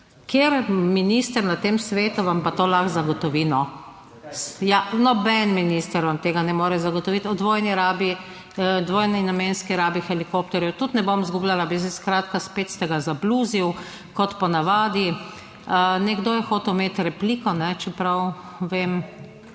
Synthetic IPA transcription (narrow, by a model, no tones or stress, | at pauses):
kjeɾminist̪əɾnat̪eːmsʋeːt̪uʋampat̪oːlaxzaɡɔt̪ɔʋinɔ | janɔbɛnminiːst̪əɾɔnt̪eːɡanɛmoːɾɛzaɡɔt̪ɔʋit̪ɔd̪ʋoːjniɾaːbi | d̪ʋoːjninamenskiɾaːbixɛlikop̚t̪ɛɾjɛwt̪ut̪nɛbomzɡublalabisɛskɾaːt̪kaspeːt̪st̪ɛɡazabluziw | kɔt̪pɔnaʋaːd̪i | nɛɡd̪oːjɛxoːt̪ɛwmeːt̪ɾɛpliːkɔnɛt͡ʃɛpɾaw | ʋeːm